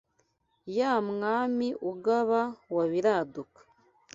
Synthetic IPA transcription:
jaːmŋaːmiʔuɡaβawaβiɾaːdukḁ

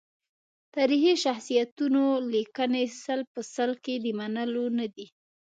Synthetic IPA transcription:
t̪aɾiɦiʃaxsijat̪unolikənesalpəsalked̪əmanəlonad̪i

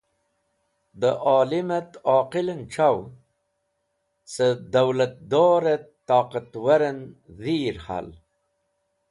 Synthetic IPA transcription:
d̪əʔɑːlimat̪ɑːqilənʈ͡ʂaw | səd̪awlat̪̚d̪oːɾet̪ːɑːqat̪waɾənðiɾha̰l

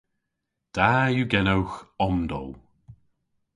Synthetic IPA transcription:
d̥ajuɡɛnowxɔmd̪ɔ̰l

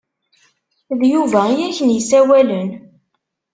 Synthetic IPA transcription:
ðjuvæjæçənjəsæwælən

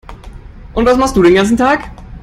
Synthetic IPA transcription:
ʔʊntv̥asmaχst̚d̥uːɾeːnɡant͡sn̩tʰaːk

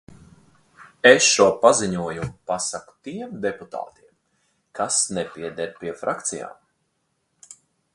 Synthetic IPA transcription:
esʃuɔpaziɲuɔjupasaku̥t̪iɛmd̪eput̪a̰ːt̪iɛm | kasnɛpʲiɛd̪ɛɾpʲiɛfɾakt̪sija̰ːm

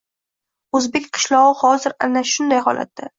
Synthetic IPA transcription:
ɵzbe̞kʲqʰɨ̥ʃlˠɒʁɨhɒzɪɾanaʃʊnd̪ajɦɒ̰la̰t̪̚ːd̪a

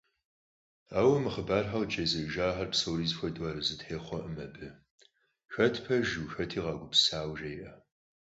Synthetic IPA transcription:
aːwɐmɨχəbaːrħawd͡ʒʰʼeːzɨʒaːħɐrpsowɾiːzfʷɐdwaːɾɨzɨtħeːχʷɔʔəmɐbɨ | xɐtʰpʰɐʒuxɐtʰiːʁɑːɡʷʊpsaːwʒɐjʔɐ

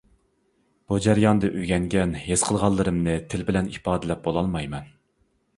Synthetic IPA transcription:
b̥ud͡ʒæɾjɑnd̪ɨʔyɡʲɛŋɡʲɛnhez̥qʰəlˠʁɑlˠːɨɾɨmnɨt̪ʰɪlbɪlɛnipɑːd̪ɪlɛp̚bolˠɑlˠmɑjmɛn

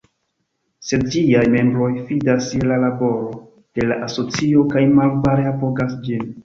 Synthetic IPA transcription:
se̞dd͡ʒiajme̞mbɾo̞jfidaselalabo̞ɾo̞ | d̥e̞laʔaso̞t͡sio̞kajmalbaɾeapoɡasd͡ʒin

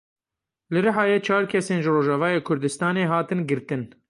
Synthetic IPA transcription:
lɨɾɨɦɑːjet͡ʃʰɑːɾkʲʰɛseːnʒɨroːʒɑːvɑːjeːkʰʊɾd̪ɨst̪ɑːneːɦɑːt̪ɨnɡɨɾt̪ɨn

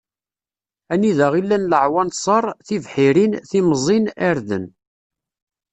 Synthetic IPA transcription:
æniðəʁilːænləʕwɑnsˤɑɾˤθivħiɾinθimzˤinæɾðə̰n

